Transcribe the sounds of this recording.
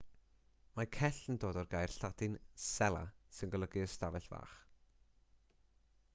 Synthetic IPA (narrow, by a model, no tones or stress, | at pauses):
makʰɛɬəndoːdɔrɡaːjrɬadɨnsɛlˠa̰sɪnɡəlˠəɡiəstavɛɬva̰ːχ